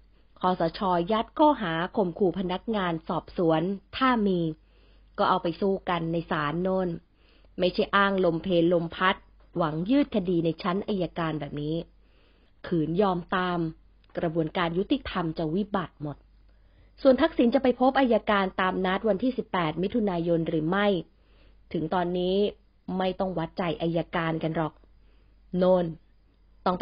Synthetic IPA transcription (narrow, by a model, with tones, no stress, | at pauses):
kʰɔː˨˦sɔː˩˦t͡ɕʰɔː˧ja˦˥t̪̚kʰɔː˥˩ɦaː˩˦kʰo˨˩mkʰuː˨˩pʰa˧na˦˥k̚ŋaː˧nsɔː˨˩p̚su˩˦ənt̪ʰaː˥˩miː˧ | kɔː˥˩ʔa˧wpa˧jsuː˥˩ka˧nːa˧jsaː˩˦nːoː˧˥˩n | ma˥˩jt͡ɕʰa˥˩jʔaː˥˩ŋlo˧mpʰeː˧nlo˧mpʰa˦˥t̪̚ | wa˩˦ŋjɯː˥˩t̪̚kʰa˧diː˧na˧jt͡ɕʰa˦˥nʔa˧jːaː˧kaː˧nbɛː˨˩p̚niː˦˥ | kʰɯː˩˦njɔː˧mt̪aː˧m | kɾa˧bu˧ənkaː˧nju˦˥t̪i˨˩t̪ʰa˧mt͡ɕa˨˩wi˦˥ba˨˩t̪̚mo˨˩t̪̚ | su˨˩ənt̪ʰa˦˥k̚si˩˦nt͡ɕa˨˩pa˧jpʰo˦˥p̚ʔaː˧jːaː˧kaː˧nt̪aː˧mna˦˥t̪̚wa˧nt̪ʰiː˥˩si˨˩pːɛː˨˩t̪̚mi˦˥t̪ʰu˧naː˧jo˧nɾɯː˩˦ma˥˩j | t̪ʰɯ˩˦ŋt̪ɔː˧nːiː˦˥ | ma˥˩jt̪ɔ˥˩ŋwa˦˥t̪̚t͡ɕa˨˩jʔa˧jːaː˧kaː˧nka˧nɾɔ˨˩k̚ | noː˧˥˩n | t̪ɔ˥˩ŋp